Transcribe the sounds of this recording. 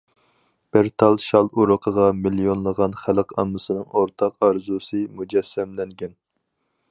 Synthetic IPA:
b̥ɪɾt̪ʰɑlˠʃɑlˠuɾəqʰəʁɑmilijonlˠəʁɑnχæləqʰɑ̰mːɨsɨnɨŋoɾt̪ʰɑqɑɾzusɨmud͡ʒɛsːɛmlɛŋɡʲɛn

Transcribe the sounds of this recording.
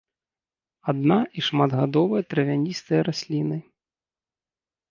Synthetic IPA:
ad̪naʔiʂmad̪ɣad̪ɔvɐjɐt̪ɾɐvʲanʲist̪ɐjɐɾasʲlʲinɨ

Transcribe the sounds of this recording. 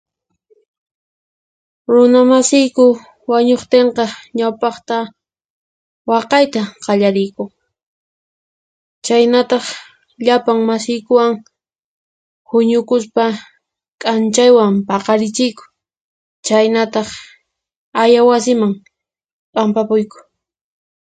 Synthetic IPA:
ɾʊnamasɪjkʊ | waɲoχt̪eɴqɑɲawpɑχt̪a | wɑqɑjt̪aqɑʎaɾɪjkʊŋ | t͡ʃajnat̪ɑχ | ʎapaŋmasɪjkʊwaŋ | hʊɲʊkʊspa | kʼant͡ʃajwampɑqɑɾɪt͡ʃɪjkʊ̥ | t͡ʃajnat̪ɑχ | ajawasɪmaŋ | pʼampapʊjkʊ̥

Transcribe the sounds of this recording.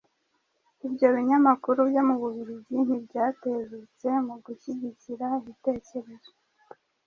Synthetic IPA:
ibɟo̞βiɲamakuɾubjomuβuβiɾibɟin̥ibɟaːteːzet͡se̞muɡuiɟiciɾaiβite̞ːce̞ɾe̞zo

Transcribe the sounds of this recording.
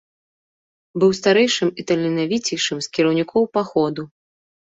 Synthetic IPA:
bɨwst̪aɾɛjʂɨmit̪ɐlʲinavʲit͡sʲijʂɨmskʲiɾɐwnʲikʰɔwpaxɔd̪u

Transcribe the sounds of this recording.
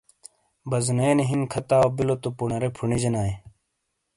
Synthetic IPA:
bɐzneːneɦinkʰɐt̪aːwbilot̪upunɐɾepʰuɳid͡ʑɐnaːẽ

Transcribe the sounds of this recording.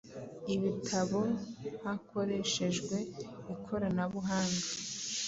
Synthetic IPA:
iβitʰaβo̞hakʰo̞ɾe̞ʃe̞ʒɡwe̞ikʰo̞ɾanaβuɦaːŋɡa

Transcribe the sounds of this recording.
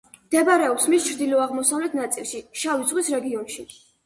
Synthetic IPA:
md̪̥ɛbɾɛɔpsmist͡ʃʰɾd̪ilɔaʁmɔsavlɛt̪ʰnat̪sʼilˠʃiʃavid̪z̥ʁwisɾɛɡiɔnʃi

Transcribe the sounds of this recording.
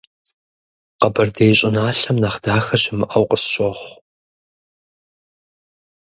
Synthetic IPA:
qɐbɐrdejɕʼɪnaːɬɐmnɐχd̥aːxɐɕɪmɨʔɐwqəsɕʼoχʷ

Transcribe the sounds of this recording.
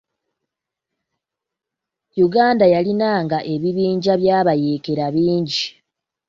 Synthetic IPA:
juɡaːndajalinaːŋɡaʔe̞βiβiːɲɟaβjaːβaje̞ːke̞ɾaβiːɲɟi

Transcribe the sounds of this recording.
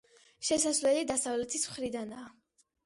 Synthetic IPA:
ʃɛsasvlɛlid̪asavlɛt̪ʰismχɾid̪anaː

